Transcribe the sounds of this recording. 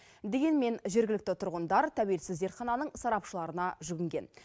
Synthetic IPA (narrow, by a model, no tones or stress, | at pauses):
d̪e̞ɡʲe̞nme̞nʒe̞ɾɡʲɪlɪkt̪ɪt̪ʰʊɾʁənd̪ɑɾt̪ʰæwe̞lsɪzd̪e̞ɾt̪χɑnɑnəɴsɑɾɑpʃəlˠɑɾənɑʒʏɡʲɪŋɡʲe̞̰n